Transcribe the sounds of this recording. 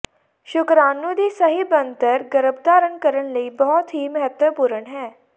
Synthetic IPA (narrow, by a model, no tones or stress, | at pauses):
ʃʊkɾaːnũːd̪iːsəɦiːbənt̪əɾɡəɾəb̚d̪aːɾəɳkəɾəɳləiːbɔːt̪ɦiːməɦət̪wəpuːɾəɳɦɛː